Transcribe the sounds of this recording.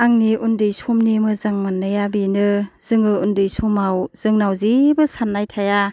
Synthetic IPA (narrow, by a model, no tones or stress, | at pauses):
aŋniʔundɯjsomnimɯzaŋmanːɯjabinɯz̥ɯŋɯundɯjsomawz̥ɯŋnawzibɯsanːajtʰaja